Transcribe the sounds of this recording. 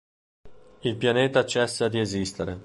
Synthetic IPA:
ilpjaneːt̪at͡ʃɛsːad̪iezist̪eɾe

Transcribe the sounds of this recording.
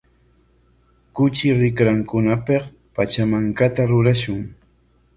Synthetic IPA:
kʊt͡ʃɪɾɪkɾaŋkʊnapeχ | pat͡ʃamaŋkat̪aɾʊɾaʃʊŋ

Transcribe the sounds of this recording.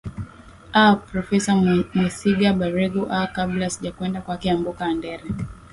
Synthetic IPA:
apɾɔfɛsamwɛsiɡaɓaɾɛɡuʔakablasiʄakwɛndakwakiambɔkaːndɛɾɛ

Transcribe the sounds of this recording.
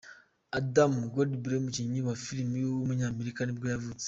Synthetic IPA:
adamuɡodibiɾemut͡ʃiɲiβafiɾimijowomuɲaːmeɾikanibɡojavut͡se̥

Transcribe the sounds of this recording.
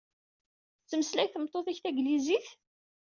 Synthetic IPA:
t͡sːəməslæjθəmt̪ˤːoθæçθæɡliziθ

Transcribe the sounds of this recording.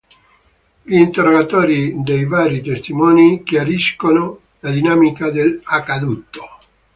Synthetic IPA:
ʎiːnt̪erːoɡat̪oːɾid̪ejvaːɾit̪est̪imɔːnikjaɾiskono | lad̪inaːmikad̪elakːad̪ut̪ːo̥

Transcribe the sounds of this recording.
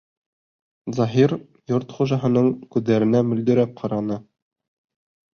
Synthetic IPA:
zɑɦiɾ | joɾt̪χuʒɑɦɤ̆nɤɴkʉðːæɾɘ̆næmɵ̆ld̪ɵ̆ɾæp̚qʰɑɾɑnɤ

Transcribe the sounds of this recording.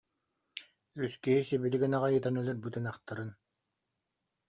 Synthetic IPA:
yskiɦisɛbiliɡɛnaʁajɯt̪anœlœɾbɯt̪ɯnaχt̪aɾɯn

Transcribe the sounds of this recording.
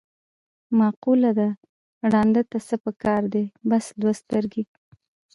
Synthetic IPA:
mɑqulad̪a | ɽɑnd̪ət̪asəpəkɑɾd̪ebasd̪wast̪əɾɡe

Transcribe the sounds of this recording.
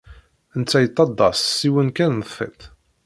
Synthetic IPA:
ənt͡sːæjət̪ˤːɑd̪ˤːɑssiwənkænfˤḛθ

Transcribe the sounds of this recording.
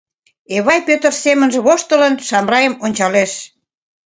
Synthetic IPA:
eβɑjpøt̪ərsemənʒĕβoʃt̪ələnʃɑmrɑjəmonʲt͡ɕɑleʃ

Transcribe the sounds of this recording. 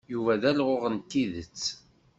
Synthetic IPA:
juvæðælʁoʊʁəntːiðət͡sː

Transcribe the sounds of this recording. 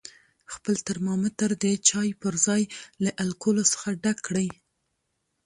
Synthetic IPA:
xpəlt̪aɾmɑmət̪əɾd̪ət͡ʃɑjpəɾzɑjlaʔalkolosə̥xaɖakːɽəj

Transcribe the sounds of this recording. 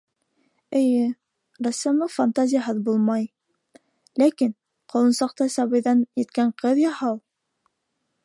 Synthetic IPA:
ɘ̆jɘ | rasʲːamlˠɤfant̪azʲɪjaɦɤðbulˠmɑj | lækin | qʰɑ̆lˠɤ̆nsɑqt̪ɑsɑβɤ̆jðɑnjɘ̆t̪kæɴqɤðjɑhɑlˠ

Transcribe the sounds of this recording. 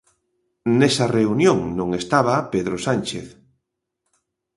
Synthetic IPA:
nesɐreunjõŋnõŋest̪aβapeðɾosanʲt͡ʃeθ

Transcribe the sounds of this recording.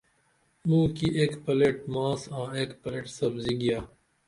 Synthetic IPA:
mũːkiʔeːkpɐleʈmãːsãːeːkpɐleːʈsɐbziɡijaː

